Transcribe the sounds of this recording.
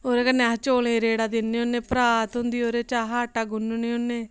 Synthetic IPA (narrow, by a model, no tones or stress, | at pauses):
oːɾeːkənːɛɦt͡ʃoːlẽːɾeːɽaːd̪ɪnːeːʊnːeːpɾaːt̪ɦʊ̃nd̪iːoːɾeːt͡ʃaːɦaːʈaːɡʊnuneːʊnːeː